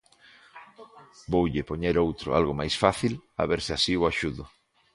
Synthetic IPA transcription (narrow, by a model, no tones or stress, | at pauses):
bowʎɪpoɲeɾowt̪ɾʊ̰a̰lɣomajsfaθila̰βeɾsɪasiʊaʃuðʊ